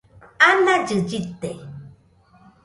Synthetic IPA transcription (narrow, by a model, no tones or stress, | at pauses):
anad͡ʒɨd͡ʒit̪ːe